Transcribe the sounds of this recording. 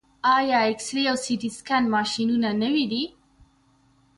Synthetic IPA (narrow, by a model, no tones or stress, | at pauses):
ajaeksɾiawsidiskanmaʃinunanəwid̪i